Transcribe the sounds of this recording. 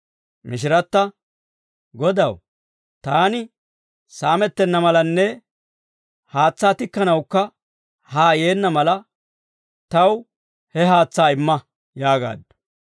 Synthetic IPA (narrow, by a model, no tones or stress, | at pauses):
mɪʃ̬ɪɾɐt̪ːɐ | ɡɔd̪ɐw | t̪aːnɪ | saːmɛt̪ːɛnːɐmɐlɐnːɛ | haːt͡sːaːt̪ɪkːɐnɐwkːɐ | haːje̞ːnːɐmɐlɐ | t̪ɐw | hɛɦaːt͡sːaːɪmːɐ | jaːɡa̰ːd̪ːʊ̥